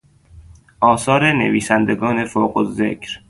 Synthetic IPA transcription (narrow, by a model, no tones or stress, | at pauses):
ʔɒːsɒːɾenḛviːsænd̪eɡɒːne̞foːɢozḛcʰɾ